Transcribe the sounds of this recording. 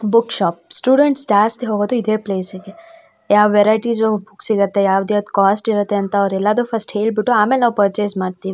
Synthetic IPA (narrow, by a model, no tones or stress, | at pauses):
bʊkʃɔːp̚sʈuːɖeɳʈsd͡ʒaːst̪ɦoːɡad̪oɪd̪ʱepleːseke | jaːʋeːɾaːɪʈizd͡ʒobʊksikɐɾt̪eɛjaːʋd̪iɔt̪kɔːsʈiɾɐt̪eɐnt̪aɔːɾelad̪ofʰɐsʈheːl̚bɪʈoaːmelnɐʋpəɾt͡ʃesmaːɾt̪i